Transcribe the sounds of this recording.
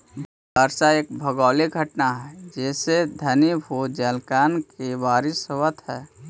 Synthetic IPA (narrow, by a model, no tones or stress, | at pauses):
bʱ | əɾsaeːkbʱəɡɔːliɡʱəʈnaɦɛːd͡ʒɛːsed̪ʱənibʱod͡ʒɛlkaːnkeʋaːɾɪsowət̪ɦɛː